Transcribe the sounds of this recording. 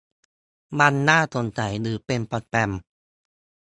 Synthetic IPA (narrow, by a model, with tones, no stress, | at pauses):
ba˧nːaː˥˩t̪ʰo˧nt͡ɕa˩jɾɯː˩˦pe˧npɔ˨˧˩t̪̚pɛ˧m